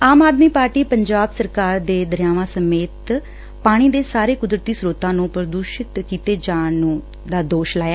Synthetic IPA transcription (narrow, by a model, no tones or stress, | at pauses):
aːmaːd̪miːpaːɾʈiːpəɲd͡ʒaːbsəɾkaːɾd̪eːd̪əɾjaːʋãːsəmeːt̪ | paːɽ̃iːd̪eːsaːɾeːkʊd̪ɾət̪iːsɾoːt̪ãːnũːpəɾəd̪uːʃɪt̪kiːt̪eːd͡ʒaːnũː | d̪aːd̪oːʃlaːjaː